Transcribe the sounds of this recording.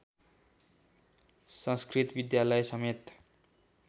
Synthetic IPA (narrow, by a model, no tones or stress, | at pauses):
sʌ̃nskrit̪bid̪jalʌjsʌmet̪